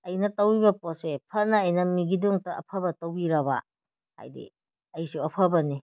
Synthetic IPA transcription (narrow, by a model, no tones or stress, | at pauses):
ɐjnɐtɐwibɐposepʰɐnɐːjnɐmiɡiduŋtɐʔɐ̰pʰɐbɐtɐwbiɾɐba̰ | ha̰jdḭ | ɐjsuɐpʰɐbɐni